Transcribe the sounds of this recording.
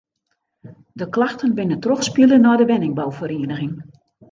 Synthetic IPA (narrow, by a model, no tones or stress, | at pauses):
dəklaxtənbɪnətrɔxspilənɔjdəʋɛnɪŋbawfəɾeːənəɣɪŋ